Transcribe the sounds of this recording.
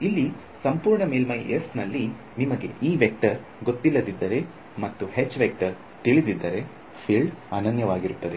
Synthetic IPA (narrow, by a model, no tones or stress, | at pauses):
ilːi | sɐmpuːɾɳɐmeːlmɐjʔesnɐlːi | nimɐɡe̞̰ʔiːʋek̚ʈɐɾ | ɡo̞t̪ːilːɐd̪id̪ːɐɾe | mɐt̪ːuɦet͡ʃːʋek̚ʈɐɾ | t̪iɭid̪id̪ːɐɾe̞ | pʰiɭɖaːnɐnjɐʋaːɡiɾut̪ːɐd̪e